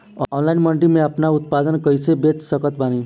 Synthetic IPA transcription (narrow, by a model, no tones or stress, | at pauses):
ɔɔnlajnmʌɳʈimeapnaut̪̚pad̪ənkʌjsebet͡ʃsʌkʌt̪̚bʱani